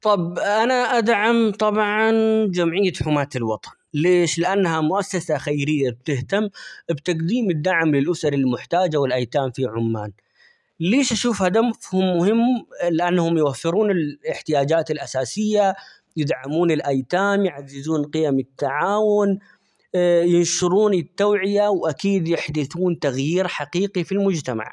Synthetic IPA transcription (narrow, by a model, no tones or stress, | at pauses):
t̪ˤɑbʔanaʔad̪ʕamt̪ˤɑbʕɑnd͡ʒamʕɪjːad̪ħʊmaːt̪ɪlwɑt̪ˤɑ̥nleːʃlɪʔanːhamʊʔasːasaxajɾɪjːab̚t̪ɪht̪amːbt̪aqd̪iːmɪd̪ːaʕmlɪlʔʊsɑɾˤɪlmʊħt̪aːd͡ʒawɪlʔajt̪aːmfiʕʊmːaːn | leːʃʔaʃuːfhaːd̪amʊfhʊmːʊhɪmːlɪʔanːahʊmjwafːɪɾuːnɪlɪħt̪ɪjaːd͡ʒaːt̪ɪlʔasaːsɪjːa | jɪd̪ʕamuːnɪlʔajt̪aːmjʕazːɪzuːnqɪjamɪt̪ːaʕaːwʊn | jɪnʃʊɾˤuːnit̪ːawʕɪjawʔakiːd̪jɪħd̪ɪθuːnt̪aɣjiːɾħaqiːqifilmʊd͡ʒt̪ama̰ʕ